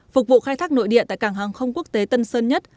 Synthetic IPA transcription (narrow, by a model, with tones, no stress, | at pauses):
fʊ˨˩k͡p̚vṵ˧˨xaː˧jt̪ʰaː˦˥k̚no̰˧˨jɗḭ˧˨ət̪a̰ː˧˨jkaː˧˩ŋɦaː˨˩ŋxə˧wŋ͡mku˦˥ək̚t̪e˨˦t̪ə˧nsəː˧nɲə˦˥t̚